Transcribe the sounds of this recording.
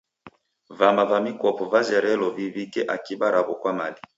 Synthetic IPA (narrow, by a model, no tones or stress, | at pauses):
vamavamikɔpɔvazɛɾɛlɔvivikɛʔakiɓaɾabɔkwamali